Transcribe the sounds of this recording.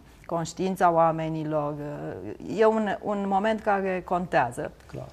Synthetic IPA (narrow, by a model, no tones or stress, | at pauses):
ko̞nʃt̪iint̪saoame̞nilo̞r | je̞unṵnmo̞me̞nt̪̚kaɾe̞ko̞nt̪eazə̰kla̰